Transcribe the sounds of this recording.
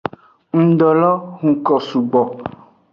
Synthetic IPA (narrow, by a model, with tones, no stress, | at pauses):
ŋ̩̃˨ɖɔ˨lɔ˦ɦũ˨kɔ˨su˨ɡ͡bɔ˨